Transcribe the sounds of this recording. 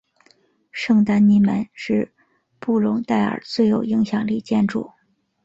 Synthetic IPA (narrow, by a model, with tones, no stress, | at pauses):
ʂɤ˥˧ŋt̪a˥nni˧˥mə˧˥nʂɻ̩˥˧ | pu˥˩lʊ˧˥ŋt̪a˥˩ɪə̰˞˨˩t͡swe˥˩ɪjo˨˩ʊi˧˥ŋɕjɑ˨˩ŋli˥˧t͡ɕjɛ˥˧nʈ͡ʂu˥˩